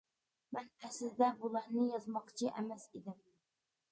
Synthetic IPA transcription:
mænæsɪzd̪æbulˠæɾnɪjɑzmɑqt͡ʃʰɪʔæmæsid̪ɪm

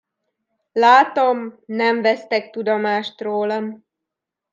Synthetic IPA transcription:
laːt̪omnɛɱvɛst̪ɛkt̪ud̪omaːʃt̪roːlɒm

